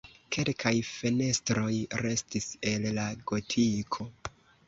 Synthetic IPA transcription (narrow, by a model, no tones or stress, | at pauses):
ke̞lkʰajfe̞ne̞stɾo̞jɾe̞stise̞lːaɡo̞tʰikʰo̞